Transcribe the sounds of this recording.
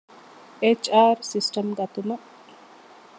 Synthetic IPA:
et͡ʃaːɾsisʈəmɡɐt̪umɐ

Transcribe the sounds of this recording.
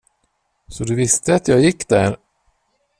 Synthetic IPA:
sɔd̪ɵvɪst̪əat̪ʰjɑːɡjɪkːd̪æɾ

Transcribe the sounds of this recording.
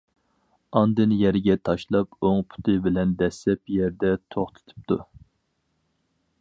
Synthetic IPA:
ɑnd̪ɨnjɛɾɡʲɛt̪ʰɑʃlˠɑpoŋpʰu̥t̪ʰɨbɪlɛnd̪ɛsɛpjɛɾd̪ɛt̪ʰoχt̪ʰɨ̥t̪ʰɨ̥p̚t̪ʰu

